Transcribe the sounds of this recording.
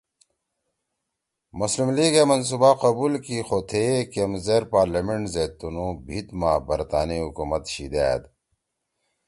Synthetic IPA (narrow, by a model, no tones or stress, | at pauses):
muslimliːɡemɐns̬uːbaqɐbuːlkixot̪ʰekemzeːɾpaːɾlameɳʈzet̪unũːbʱit̪maːbɐɾt̪a̰ːniɦukuːmɐt̪ɕid̪ḛːd̪